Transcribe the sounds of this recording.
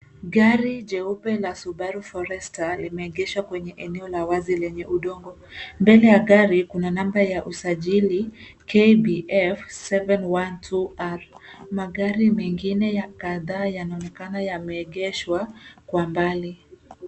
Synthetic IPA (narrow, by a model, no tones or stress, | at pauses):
ɡaɾid͡ʒɛupɛlasuɓaɾufɔɾɛstalimɛːɠɛʃwakwɛɲɛʔɛnɛɔlawazilɛɲɛʔuɗɔŋɡɔ | mbɛlɛjaɡaɾikunanambɾajaʔusaʄili | kʰebiʔɛfsɛvɛnwantʰuaɾmaɠaɾimɛŋɡinɛjakaðaːjanaɔnɛkanajamɛːɠɛʃwakwambali